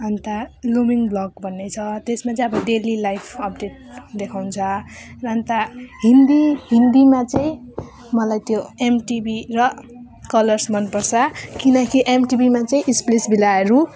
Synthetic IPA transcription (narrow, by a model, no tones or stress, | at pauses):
ʌnt̪alumiŋblʌɡbʱʌnːejt͡sʰʌt̪esmat͡saĩʌbʌɖelilajpʰʌp̚ɖeʈ̚d̪ekʰawnt͡sʰʌrʌnt̪aɦind̪iɦind̪imat͡saĩ | mʌlajt̪joemʈibirʌ | kʌlʌrsmʌnpʌrt͡sʰʌkinʌkiʔemʈibimat͡saĩʔisplisbʱilaeɾu